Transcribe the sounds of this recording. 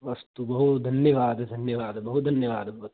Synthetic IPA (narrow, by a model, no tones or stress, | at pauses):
ʋɐst̪ubɐɦut̪d̪ʱɐnjɐʋaːd̪ɐd̪ʱɐnjɐʋaːd̪ɐbɐɦut̪̚d̪ʱɐnjɐʋaːd̪ɐɐt̪